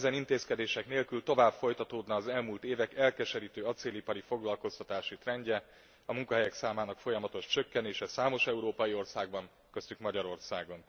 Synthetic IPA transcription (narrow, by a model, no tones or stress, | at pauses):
ɛzɛnint̪eːskɛd̪eːʃɛkneːlkylt̪o̞vaːbfo̞jt̪ɒt̪oːd̪nɒːzɛlmuːlt̪eːvɛkɛlkɛʃɛɾiːt̪øːɒt̪seːlipɒɾifo̞ɡlɒlko̞st̪ɒt̪aːʃit̪rɛɲɟɛ | ɒmuŋkɒɦɛjɛksaːmaːnɒkfo̞jɒmɒt̪o̞ʃt͡ʃø̞kːɛneːʃɛsaːmo̞ʃɛuɾoːpɒjio̞rsaːɡ̚bɒŋ | kø̞st̪ykmɒɟɒɾo̞rsaːɡo̞n